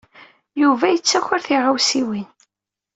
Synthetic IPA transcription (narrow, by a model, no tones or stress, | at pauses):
juvæjət͡sːæçəɾθiʁawsiwin